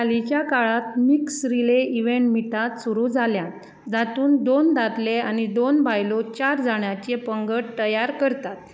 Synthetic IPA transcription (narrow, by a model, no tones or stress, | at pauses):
kalit͡ɕjakaɭat̪miksɾileʔiʋeɳʈmiʈat̪suɾuːd͡zʱaljãt̪ | d͡zat̪uːnd̪ond̪at̪leanid̪onbajlot͡ɕaɾd͡zaɳjat͡ɕepəŋɡəɽt̪əjaɾkəɾt̪at̪̚